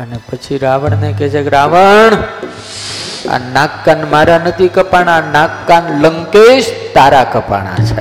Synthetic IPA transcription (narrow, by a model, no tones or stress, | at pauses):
ənepət͡ʃʰiɾaʋəɳneket͡ʃʰekɾaʋəɳ | a̰nakːanmaɾanət̪ikəpaɳ̃anakːanləŋked͡ʒt̪aɾakəpa̰ɽ̃a̰t͡ʃʰḛ